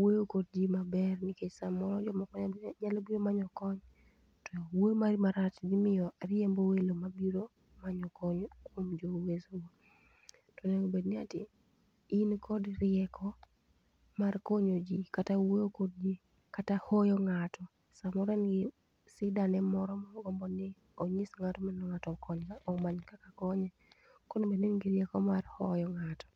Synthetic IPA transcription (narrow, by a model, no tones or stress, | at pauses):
weokod̚d͡ʒimabɛrniked͡ʒsamɔɾɔd͡ʒɔmakɔɲɲalobiɾomaɲɔkɔɲ | tɔwomarmaɾat͡ʃɡɪmɪjɔɾɪembowelomabiɾo | maɲɔkɔɲkwomd͡ʒowesowo | tɔnɛobednɪatɪ̰ | inkʰɔdrɪɛkʰɔ | markoɲod͡ʒikatawejokod̚d͡ʒi | katahɔjɔŋatɔ | samɔɾɛnɡɪ | sɪdanɛmɔɾɔmaɔɡɔmbɔnɪ | oɲisŋatɔmanɔŋatɔkɔɲkaʔɔmaɲkakakɔɲɛ | kɔnobednɪnɡɪɾɪɛkɔmarhɔjɔŋatɔ̥